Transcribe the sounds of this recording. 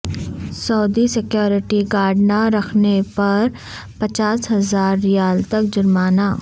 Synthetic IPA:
sɔːd̪isɪkjoːɾɪʈiɡaːɖnaɾɐkʰnepɐɾ | pɐt͡ʃaːsɦɐzaːɾːɪjaːlt̪ɐk̚d͡ʒʊɾmaːnaː

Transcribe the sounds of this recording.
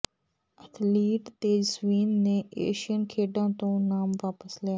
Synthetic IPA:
ət̪ʰliːʈt̪eːd͡ʒsʋiːnːeːʔḛːʃiənkʰeːɖãːt̪õːnaːmʋaːpəslɪjaː

